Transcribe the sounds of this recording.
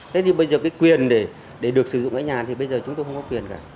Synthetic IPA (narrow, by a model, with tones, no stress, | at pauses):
t̪ʰe˨˦t̪ʰi˨˩ɓə˧jzəː˨˩kaː˨˦jkwi˨˩ənɗe˧˩ | ɗe˧˩ɗɨ˨˩ək̚sɨ˧˩zʊ̰˧˨ŋ͡mʔa̰ː˧˥ɲaː˨˩t̪ʰi˨˩ɓə˧jzəː˨˩t͡ɕʊ˨˦ŋ͡mt̪o˧jxə˧ŋ͡mkɔ˨˦kwi˨˩ənkaː˧˩